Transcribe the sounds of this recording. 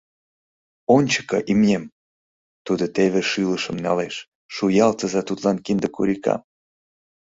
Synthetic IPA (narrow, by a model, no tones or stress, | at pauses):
onʲt͡ɕə̥kɤʔimjem | t̪ud̪ot̪eβeʃyləʃə̆mnɑleʃ | ʃujɑlt̪ə̆zɑt̪ut̪lɑnkind̪ə̆kṵɾikɑ̰m